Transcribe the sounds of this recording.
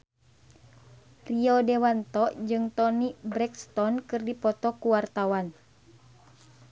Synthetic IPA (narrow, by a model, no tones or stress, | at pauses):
riɔdɛwant̪ɔʔd͡ʒɨŋt̪ɔnibɾɛkst̪ɔnkɨrdipɔt̪ɔkuwart̪awan